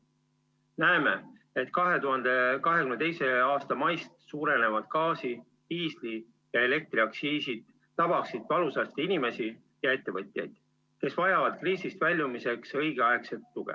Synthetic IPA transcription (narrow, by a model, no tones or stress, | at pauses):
næeme̞ | e̞t̪kɑɦe̞t̪uɦɑnd̪̥ekɑɦe̞kymne̞t̪e̞jse̞ɑːst̪ɑmɑjst̪suːɾe̞ne̞vɑd̪̥kɑːsi | iːsli | jɑe̞le̞k̚t̪ɾiɑksiːsid̪̥ː | ɑb̥ɑksid̪̥vɑlusɑst̪inime̞si | jɑe̞t̪ːe̞vɤt̪ʲˑjɑ̰jd̪̥ | ke̞svɑjɑvɑd̪̥kriːsist̪vælʲjumise̞ksɤ̞jɡ̥eɑekse̞t̪ːuɡ̥ḛ